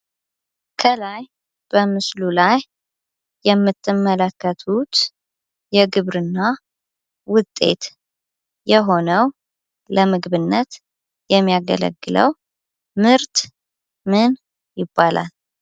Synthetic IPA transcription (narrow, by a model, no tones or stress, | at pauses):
kʰəlaj | b̥əmɨslulajː | ɛmːɨt̪ʰʼːɨmːələkːət̪ʰut̪ | jɛɡɨβɾɨnːa | wʊt̪ʼːe̞̰t̪ | jɛɦo̞nəw | ləmɨɡβɨnːət̪ | jɛmːijaɡə̰lə̰ɡːɨlə̰w | mɨɾt̪ | mɨn | jɪbːalʔa̰l